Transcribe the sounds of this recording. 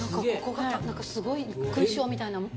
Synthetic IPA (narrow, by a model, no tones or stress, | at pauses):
nãŋkaeokoɡanãŋkasɨɡo̞ikɯ̟̃ɕo̞ːmʲit̪ainam